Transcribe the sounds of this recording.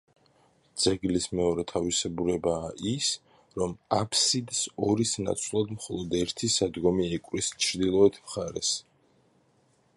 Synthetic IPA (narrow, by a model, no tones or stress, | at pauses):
d̪z̥ɛɡlismɛɔɾɛt̪ʰavisɛbuɾɛbaːʔis | ɾɔmapʰsid̪sɔɾisna̰t̪sʰlˠad̪mχɔlˠɔd̪ɛɾt̪ʰisad̪ɡɔmiɛkʼwɾist͡ʃʰɾd̪ilˠɔɛt̪ʰmχaɾɛ̰s